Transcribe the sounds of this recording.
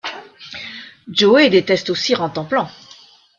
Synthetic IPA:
d͡ʒoed̪et̪ɛst̪osiʁɑ̃t̪ɑ̃plɑ̃

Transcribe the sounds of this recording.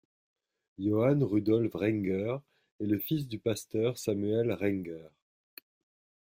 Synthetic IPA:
jɔanʁyd̪ɔlfʁɛ̃ŋɡœʁ | ɛləfis̬d̪ypast̪œʁsamyɛlʁɛ̃ŋɡœʁ

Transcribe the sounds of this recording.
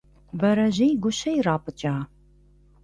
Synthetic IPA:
bɐɾɐʑejɡʷʊɕɐjraːpʰʼɨt͡ʃʼaː

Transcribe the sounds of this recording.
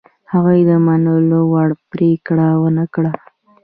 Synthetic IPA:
haɣujd̪əmanəlowaɽpɾekɽawənəkɽa

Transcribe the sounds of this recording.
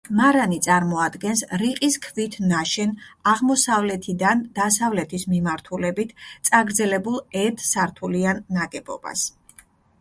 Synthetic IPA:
maɾanit̪sʼaɾmɔad̪ɡɛnsɾiqʼiskʰvit̪ʰnaʃɛnaʁmɔsavlɛt̪ʰid̪and̪̥asavlɛt̪ʰismimaɾt̪ʰulɛbit̪ʰt̪sʼaɡɾd̪zɛlɛbulˠɛt̪saɾt̪ʰulianːaɡɛbɔ̰b̥a̰s

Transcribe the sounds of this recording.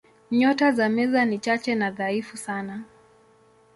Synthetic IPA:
ɲɔtazamɛzanit͡ʃat͡ʃɛnaðaifusana

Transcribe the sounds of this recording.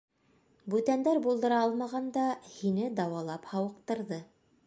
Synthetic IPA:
bʉt̪ænd̪æɾbulˠd̪ɤ̆ɾɑɑlˠmɑʁɑnd̪ɑhinɘd̪ɑwɑlˠɑphɑwɤ̆q̚t̪ɤ̆ɾðɤ

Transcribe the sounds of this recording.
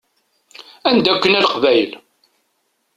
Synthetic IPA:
ænd̪ækʷːənælqvæjəl

